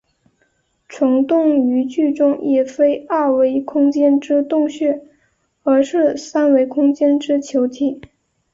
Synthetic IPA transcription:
ʈ͡ʂʰʊ˧˥ŋt̪ʊ˥˩ŋy˧˥t͡ɕy˥˩ʈ͡ʂʊ˥ŋjɛ˨˩fe˥ɪə˥˩we˧˥ɪkʰʊ˥ŋt͡ɕjɛ˥nʈ͡ʂɻ̩˥t̪ʊ˥˧ŋɕɥɛ˥˩ | ə˞˧˥ʂɻ̩˥˩sa˥nwe˧˥ɪkʰʊ˥ŋt͡ɕjɛ˥nʈ͡ʂɻ̩˥t͡ɕʰjo˧˥ʊt̪ʰi˨˩˦

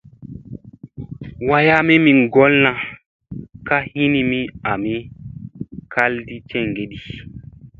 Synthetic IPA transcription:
wa˦ja˦me˦mi˨ŋɡɔ˦lnã˨ | ka˦hi˦ni˦mi˦a˨mi˦ | ka˦ldi˦t͡ʃɛ˦˨ŋɡe˨ɗi˨

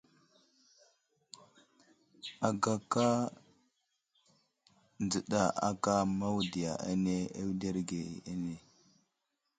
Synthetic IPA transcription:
a˨ɡa˨ka˦ | nd͡zə˨ɗa˨ʔa̰˦ka˦ma˦wdi˨ja̰˨ʔa̰˦ne˦e˦wde˦ɾɡe˨a˦ne˨

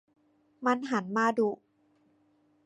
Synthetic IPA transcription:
ma˧nɦa˩˦nmaː˧du˧˩

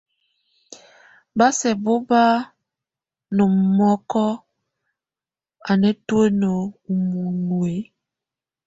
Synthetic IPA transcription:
ba˦sɛ˨bo˦ba˦ | no˨m˨mɔ˦kɔ˦ | a˨nɛ˦to˦e˦no˨u˨mu˨nwe˨˦

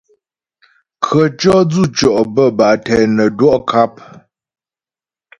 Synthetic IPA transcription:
kʰə˨t͡ʃɔ˦d͡zu˦˨t͡ʃɔ˨ʔbə˦˨ba˨ʔtɛ˨nə˨dwɔ˦ʔkʰa˦p̚

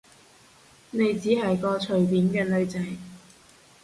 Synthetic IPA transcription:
ne˨˧jt͡siː˨˥ɦɐ˨jkɔː˧t͡ʃʰɵ˨˩ɥpiː˨˥nkɛː˧nɵ˧ɥt͡sɐ˨˧j

